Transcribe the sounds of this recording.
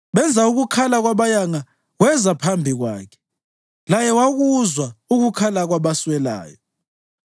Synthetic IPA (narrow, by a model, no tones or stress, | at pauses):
βɛnd͡zʱauɣukʰalaɣwaβajaŋa | ɣwɛzapʰambʱiɣwa̰ːkʰɛ̥ | lajɛwaɣuzwauɣukʰalaɣwaβaswɛla̰ːjɔ